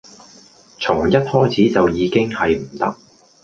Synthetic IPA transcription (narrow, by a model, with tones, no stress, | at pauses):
t͡sʰʊ˨˩ŋjɐ˥t̚hɔː˥jt͡sʰiː˨˥t͡sɐ˨wjiː˨˧kɪ˥ŋhɐ˨jm̩˨˩t̪ɐ˥k̚